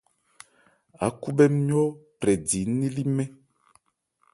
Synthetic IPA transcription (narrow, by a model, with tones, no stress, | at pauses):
a̰˨˦ku˦bɛ˦mi˦ɔ˦pɾɛ˨di˨˦nː˦i˦li˦mɛ˦